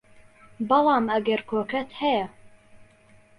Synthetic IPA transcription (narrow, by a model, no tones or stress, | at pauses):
bɑlˠɑːmɐɡɐɾkʰoːkɐt̪hɛjɛ